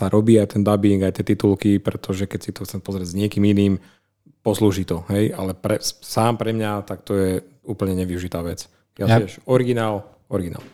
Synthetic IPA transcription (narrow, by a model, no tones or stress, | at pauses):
t̪aɾʔɔbiːajt̪ɛnd̪abiŋɡajt̪ɪɛt̪it̪ulkipɾɛt̪ʰɔʒɛkɛcsit̪ɔxt͡sɛmpɔzɾɪɛɟzɲɪɛkiːminiːm | pɔsluːʒiːt̪ɔɦɛjalɛpɾɛsaːmpɾɛmɲat̪akt̪ɔjɛ | uːpl̩ɲɛɲɛʋiuʒit̪aːʋɛt͡s | jaɛʃɔɾiɡinaːl | ɔɾiɡina̰ːl